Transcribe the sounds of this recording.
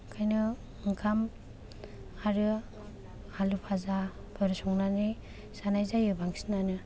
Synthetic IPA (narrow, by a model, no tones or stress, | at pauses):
kʰajnɯ | ɯŋkʰam | aɾɯ | halupʰaza | bʰɯɾɯsɔŋnani | sanajzajɯbaŋsinanɯ